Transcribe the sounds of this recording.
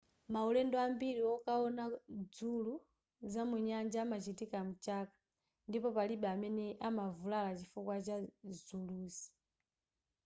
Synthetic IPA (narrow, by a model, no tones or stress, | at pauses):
maulɛndɔambiɾiɔkaɔnad͡zulu | zamuɲand͡ʒaːmat͡ʃitikam̩t͡ʃakḁ | ndipɔpaliɓɛamɛnɛʔamavulalat͡ʃifukwat͡ʃazuluːsi̥